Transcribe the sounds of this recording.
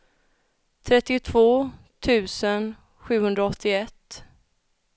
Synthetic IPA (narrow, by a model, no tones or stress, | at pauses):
t̪ʰɾɛt̪ːɪt̪ʰv̥oː | t̪ʰʉ̟ːsən | ɧʉ̟ːhɵnd̪ɾaɔt̪ʰːɪɛt̪ː